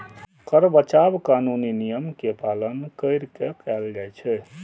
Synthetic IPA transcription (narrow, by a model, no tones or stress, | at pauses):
kəɾbət͡ʃabkanuninijəmkepalənkəɪɾkekɛld͡ʒajt͡ʃʰɛ